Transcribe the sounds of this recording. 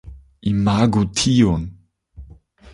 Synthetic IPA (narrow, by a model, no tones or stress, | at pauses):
ʔimaɡut̪ʰion